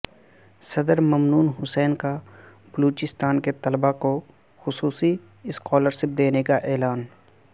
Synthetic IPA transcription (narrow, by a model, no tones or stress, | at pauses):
sɐd̪əɾmɐmnuːnɦʊsɛːnka | b̥əluːt͡ʃɪst̪aːnket̪ɐlbako | xʊsuːsi | ɪskɔːləɾʃɪp̚d̪eːnekaʔɛːlaːn